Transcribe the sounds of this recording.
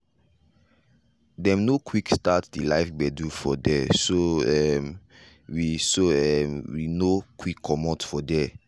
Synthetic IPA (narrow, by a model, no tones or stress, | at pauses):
dɛ̃mnokʰwikstatdilaɪfbɛdufɔdɛsoɛm | wisoɛmwinokwikʰːɔmɔtfɔdɛ